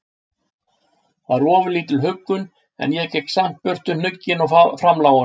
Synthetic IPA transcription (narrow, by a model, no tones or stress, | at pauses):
θaɾɔːvʏliːt̪ɪlɦʏkːʏn | ɛ̰njɛcɛjksam̥t̪̚pʏr̥t̪ʏnnʏcːɪnawfɾamlaːwʏn